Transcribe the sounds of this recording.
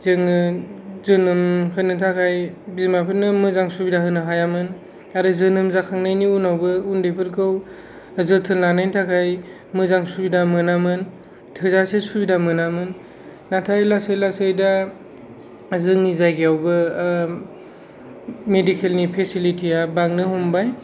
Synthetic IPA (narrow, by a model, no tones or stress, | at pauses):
zɯŋ | zɯnɯmhɯnɯtʰakʰajbizmapʰɯnɯmɯzaŋsubidaɦɯnɯɦajamɯn | aɾɯzɯnɯmzakʰaŋnajniunawbɯundepʰɯɾkɯw | zɯtʰɯnlanajntʰakʰaj | mɯzaŋsubidamɯnamɯn | tʰɯzasesubidamɯnamɯnː | atʰajlasɯjlasɯjda | zɯŋnizajɡiawbɯ | medikʰelnipʰesilitʰijabaŋnɯhumbaj